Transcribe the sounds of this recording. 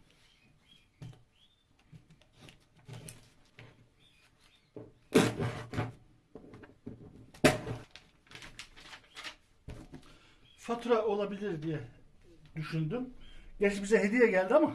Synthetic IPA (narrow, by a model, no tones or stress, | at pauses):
fat̪ʰɾao̞lˠabilʲiɾd̪ijɛ | d̪yʃynd̪ymɟɛt͡ʃbizɛɦe̞d̪ijɛɟælʲd̪iama